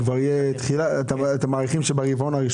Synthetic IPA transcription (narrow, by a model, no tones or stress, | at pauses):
kvaʁijet̪χilaet̪aet̪amaːʁiχimʃebaʁivonaʁiʃ